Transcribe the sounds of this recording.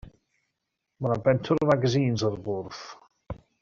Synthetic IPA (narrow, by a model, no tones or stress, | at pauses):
manabɛntʰʊɾvaɡəziːnzɔɾbʊrθ